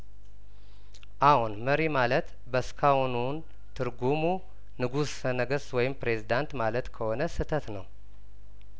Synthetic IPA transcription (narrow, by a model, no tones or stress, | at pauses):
ʔahunməɾimalət̪ | bəskʰawnun | t̪ʰɨɾɡumu | nɨɡussənəɡəswɔjɪmpɾe̞zid̪ant̪malət̪kʰəho̞nəsɨt̪ʰət̪nəw